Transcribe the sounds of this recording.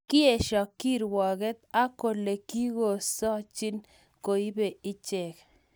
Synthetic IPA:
kɪ˦e˨ʃɔ˨kːi˦ɾwɔ˨ɣɛ˦t̪a˦ko˨le˨ki˦ɣo˨sɔ˦t͡ʃɪ˦n | ko˨i˦be˨ɪ˦t͡ʃɛ˨k

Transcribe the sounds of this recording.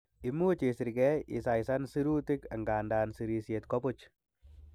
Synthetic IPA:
i˦mu˦t͡ʃe˨si˨ɾkɛ˦ɪ̰˨sa˨jsa˦nsi˦ɾu˦ti˦ka̰˨ŋɡaː˨nda˨nsi˨ɾi˧sje˨t̪ko˦pʊ˦t͡ʃ

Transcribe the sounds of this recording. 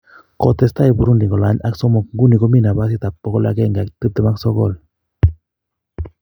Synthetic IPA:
kɔ˨t̪ɛ˨sta˦i˨bu˨ɾu˦ndi˨ŋɔ˨la˦ɲa̰˦ksɔ˦mɔ˨kŋɡu˦ni˨ko˦mi˦na˨ba˦s̬i˦t̪a˨pːɔ˦kɔ˦la̰˦kɛ˦ŋɡa˨kt̪ɨ˦t̪ɛ˨ma˦ksɔ˦kɔ̰˦˨l

